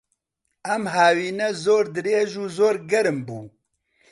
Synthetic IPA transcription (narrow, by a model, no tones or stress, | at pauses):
ɛmɦaːwiːnɛzoːɾd̪ɨɾeːʒuːzoːɾɡɛɾɨmbuː